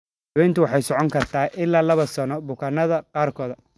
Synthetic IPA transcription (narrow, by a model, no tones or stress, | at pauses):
hɐwɛjnt̪ʰʊwɑħɑjsɔʕɔŋkʰɐrt̪ʰaːʔɪlːaːlɐβɐsɐnɔbʊkʰɐnɐðɐqɑːrkʰɔːðɐ